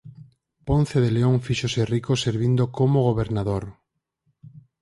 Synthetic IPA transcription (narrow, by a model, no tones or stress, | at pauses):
pon̟θeðeleoŋfiʃoserikoseɾβind̪okomoɣ̞oβeɾnaðoɾ